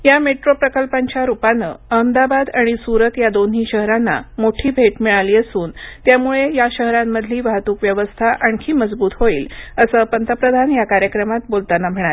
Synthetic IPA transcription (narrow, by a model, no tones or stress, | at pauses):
jameʈɾopɾəkəlpaɲt͡ɕjaɾupanə̰əmd̪abad̪aɽ̃isuɾət̪jad̪onɦiːɕəɦɾanːa̰moʈʰiːbʱeʈmiɭaliːəsuːnt̪jamuɭejaɕəɦɾamːəd̪ʱliːʋaɦt̪uːkʋjəʋəst̪ʰaʔaɳkʰiːməd͡zbuːt̪ɦoiːləsəːpənt̪əpɾəd̪ʱanjakaɾjəkɾəmat̪̚bolt̪anam̤əɽ̃ae